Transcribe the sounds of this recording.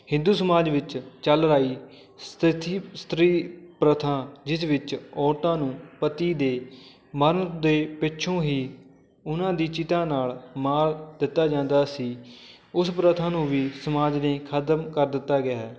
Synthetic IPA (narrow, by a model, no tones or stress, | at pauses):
hɪ̃nd̪uːsəmaːd͡ʒʋɪt͡ʃt͡ʃəlɾaːiː | st̪ɪt̪ʰiːst̪ɾiːpɾət̪ʰãːd͡ʒɪsʋɪt͡ʃɔːɾt̪ãːnũːpət̪iːd̪eː | məɾnd̪eːpɪtːʃʰõːɦiː | ʊnãːd̪iːt͡ʃɪt̪ãːnaːlmaːɾd̪ɪt̪ːaːd͡ʒãːnd̪aːsiː | ʊspɾət̪ʰãːnũːʋiːsəmaːd͡ʒnẽːkʰət̪mkəɾd̪ɪt̪ːaːɡɪaːɦɛː